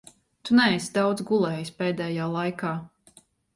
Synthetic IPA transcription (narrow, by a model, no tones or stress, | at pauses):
t̪unɛɛsd̪awd̪zɡulˠɛːjispɛːd̪ɛːjaːlˠajkaː